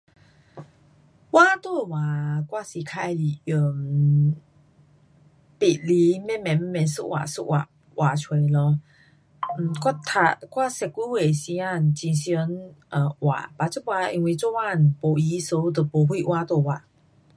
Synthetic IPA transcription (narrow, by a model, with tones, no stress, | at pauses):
wa˦t̪o˥˧˨wa˨˩kwa˦˥˨si˨˩kʰa˧jli˨˩jə˨˩m | pi˨˩t̚li˧˦mɛ̃˥˨mɛ̃˨m̩˦mɛ̃˨nsṵ˧ʔwa̰˨su˧˥ʔwa̰˨˩ | wa˨˩t͡ɕʰwe˧˨lɔ˧˨ | kwa˥˧t̪ʰa̰˧kwa˥˨sɛ˨kːu˧˦we˨si˧a˥˩˨n˨t͡ɕi˧nsjə˧˦nʔə˨wa̰˨pa˨t͡su˥˨wa˧i˧ŋwi˧˨t͡so˥˦wa˥˨n̩˨po˨˧i˧˦so˧˦˧d̪ə˧˨po˨˧hwi˥˧˨ʔwa˧t̪wo˥˩˨wa˨˩